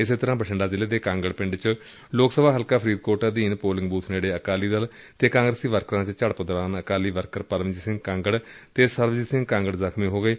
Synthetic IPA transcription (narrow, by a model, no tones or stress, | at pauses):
ɪseːt̪əɾãːpəʈʰəɳɖaːzɪleːd̪eːkãːŋɡəɽpɪ̃ɳɖt͡ʃ | loːksəbaːɦəlkaːpʰɾiːd̪̚koːɾʈəd̪iːnpoːlɪ̃ŋɡbuːt̪ʰneːɽeːəkaːliːd̪əl | t̪eːkãːŋɡɾəsiːʋəɾkəɾãːt͡ʃt͡ʃəɽpəd̪ɾaːnəkaːliːʋəɾkəɾpəɾʋəd͡ʒiːsɪ̃ŋɡkãːŋɡəɽt̪eːsəɾʋd͡ʒiːsɪ̃ŋɡkãːŋɡəɽzəkʰmiːɦoːɡəeː